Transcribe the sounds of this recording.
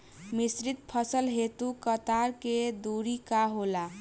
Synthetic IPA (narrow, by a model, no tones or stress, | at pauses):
misɾit̪̚pʰəsəlɦet̪ukət̪aɾked̪uɾikaɦola